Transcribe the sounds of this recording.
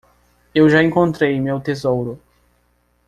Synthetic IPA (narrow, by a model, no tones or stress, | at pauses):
ewʒaẽŋkõnt̪ɾejmewt̪ezowɾʊ